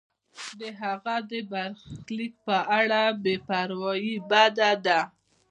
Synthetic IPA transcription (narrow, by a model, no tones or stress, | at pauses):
d̪əɦaɣad̪əbaɾxlik̚pəʔaɽabepaɾwɑjibad̪ad̪a